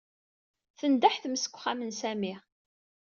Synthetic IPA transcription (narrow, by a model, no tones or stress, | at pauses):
θənd̪aħθməsə̥kʷχæmənsæmi